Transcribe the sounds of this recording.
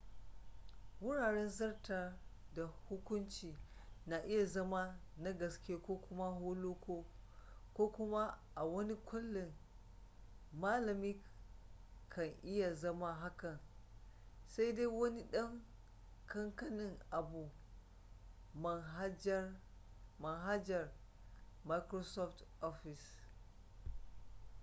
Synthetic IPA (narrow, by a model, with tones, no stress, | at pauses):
wʊ˦ɽaː˨ɽɛ˦nzɐ˦rta˨da˨hʊ˦kʷʊ˦nt͡ʃiː˨na˨ʔɪ˦ja˨zɐ˦ma˦na˦ɡɐ˨skʲe˦kʷoː˦kʷʊ˦ma˦ɦoː˦loː˦ko˦kʷoː˦kʊ˦ma˦ʔa˨wɐ˦ni˦kʷʊ˦lːɪ˨ŋ | maː˦lɐ˨mi˦ | kʰːa˨nʔi˦ja˨zɐ˦ma˦ɦa˦kɐ˨n | sa˦jda˦wɐ˦ni˦ɗɐ˦ŋ | kʰɐ˦ŋka˦ni˨ŋa˨bu˨ | ma˨˦d͡ʒ | ma˨nɦa˦d͡ʒa˨ɾ | ma˦jkɾo˦so˦fto˦fi˨s